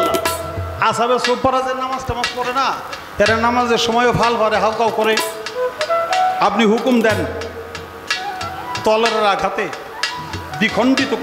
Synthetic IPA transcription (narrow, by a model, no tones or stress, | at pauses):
asabeɾsobpaɾazeɾnamazʈemaspɔɾena | ɛɾeɾnamazeɾʃɔmɔjobʱalbaɾeɦawkawkɔɾe | apniɦukumd̪ɛn | t̪ɔleɾɾakʰat̪e | d̪ikʰɔɳʈit̪o